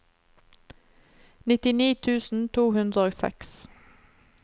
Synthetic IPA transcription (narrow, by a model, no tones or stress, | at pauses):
nɪt̪ɪniːt̪ʰʉːsn̩t̪ʰuːhʉnd̪ɾəoːsɛ̰ks